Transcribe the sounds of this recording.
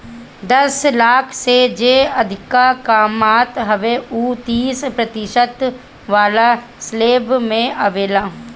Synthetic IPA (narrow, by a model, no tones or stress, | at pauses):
d̪ɐslaːkʰsed͡ʒeːɐd̪ʱɪkakaːmaːt̪ɦɐʋeuːt̪iːspɾɐt̪ɪʃət̪ | ʋaːla | sleːbmẽʔəʋeːlaː